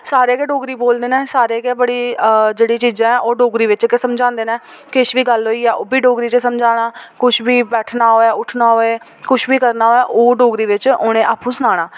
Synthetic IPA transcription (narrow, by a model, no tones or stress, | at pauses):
saːɾeːkeːɖoːɡɾiːboːld̪eːnɛ̃ːsaːɾeːkeːbəɽiːd͡ʒeːɽiːt͡ʃiːzãːɛ̃ːʔoːɖoːɡɾiːʋɪt͡ʃkesəmd͡ʒãːnd̪eːnɛ̃ːkɪʃʋiːɡəlɦoːiːɛːʔoːbʱiːɖoːɡɾiːt͡ʃesəmd͡ʒaːɽ̃aːkʊʃʰbiːbɛːʈʰnaːɦoːɛːʊʈʰnaːɦoːeː | kʊʃʰbʱiːkəɾnaːɦoːɛːʔoːɖoːɡɾiːʋɪt͡ʃʊːɽ̃ẽːʔa̰ːpũːsənaːɽ̃aː